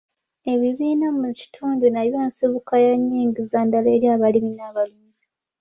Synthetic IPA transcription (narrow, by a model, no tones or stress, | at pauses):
e̞βiβiːnamuci̥tʰuːndunaβjaːnsiβukajaɲːiːŋɡizandaleːɾjaːβaliminaβaβiːzi